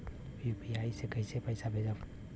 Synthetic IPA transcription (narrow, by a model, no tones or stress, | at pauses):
jupiaisekəisepəjsabʱed͡ʒa